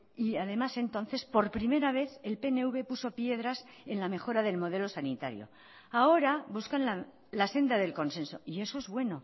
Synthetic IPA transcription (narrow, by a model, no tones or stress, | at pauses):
iaðe̞mase̞nt̪o̞nθe̞spo̞ɾpɾime̞ɾaβ̞e̞θe̞lpe̞ne̞uβe̞puso̞pje̞ð̞ɾas | e̞nlame̞xo̞ɾaðe̞lmo̞ðe̞lo̞sanit̪a̰ɾjo̰ | ao̞ɾabuskanla | lase̞nd̪aðe̞lko̞nse̞nso̞ie̞so̞ezβwe̞no̞